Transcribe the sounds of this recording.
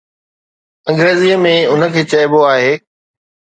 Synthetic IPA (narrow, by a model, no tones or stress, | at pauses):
ɐ̃ŋɡɾeːzijəmẽʊnə̆kʰeːt͡ɕɐɪboaːɦeː